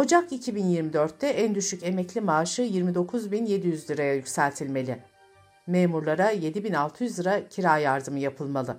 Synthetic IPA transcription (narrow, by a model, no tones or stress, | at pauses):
ho̞d͡ʒakicʰibinjiɾmid̪øɾt̪ːɛʔænd̪yʃyce̞mɛclʲimaːʃɯjiɾmid̪o̞kʰuzbinje̞d̪ijyzlʲiɾajajycʲsælʲt̪ʰilʲme̞lʲɪ | meːmuɾlˠaɾaje̞d̪ibinalˠt̪ʰɯjyzˠɯɾacʰiɾaːjaɾd̪ɯmɯjapʰɯlˠmalˠɯ